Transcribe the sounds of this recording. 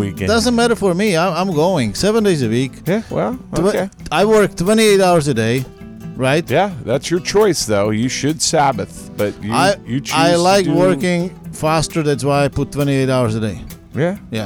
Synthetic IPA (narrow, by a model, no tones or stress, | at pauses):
ikd̥ʌzə̃nmæɾə˞fə˞miãɪ̃ãɪ̃mɡoʊɪ̃ŋsɛvə̃ndeɪzɨwikjæwɛ̰ltowɛeaɪwɜ˞k̚t̪ʰw̥ɛ̃ɾ̃ieɪɾaʊə˞zɨdeɪ | ɹaɪt̚jæðætsjə˞t͡ʃʰɔɪsðoʊjɨʃɨd̥sæbɨθ | b̥ʌt͡ʃɨaɪɨt͡ʃaɪllaɪkwɜ˞kɪ̃ŋfæstə˞ðætswaɪaɪpʊtʰw̥ɛ̃ɾ̃ieɪɾaʊə˞zədeɪ | jæjæ